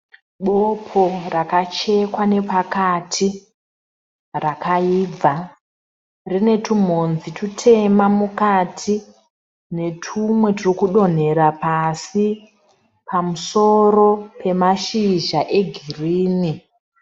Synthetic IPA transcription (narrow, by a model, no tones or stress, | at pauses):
ɓopʰorakat͡ʃe̞kwane̞pakatʰi | rakaiːb͡vʱa | rine̞tum̤onzitʰutʰe̞mamukatʰi | ne̞tʰumwe̞tirikuɗo̞n̤e̞ɾapasi | pamuso̞ro̞pe̞maʃiʒaʔe̞ɡʱiriːni